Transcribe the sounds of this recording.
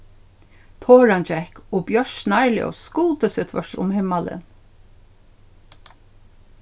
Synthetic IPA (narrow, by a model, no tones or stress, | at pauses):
t̪ʰoːɹant͡ʃɛhkɔːbjœɹʃnaɹlj̰ɔ̰skʊlt̪əsɪːt̪ʰvœ̰ʂt̪ʊ̰mhɪmalɪ̰n